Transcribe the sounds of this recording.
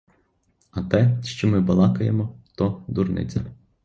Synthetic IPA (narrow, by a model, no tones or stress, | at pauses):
ɐt̪ɛʃt͡ʃɔmɪbɐlˠɑkɐjemɔt̪ɔd̪urnɪ̰t͡sʲɐ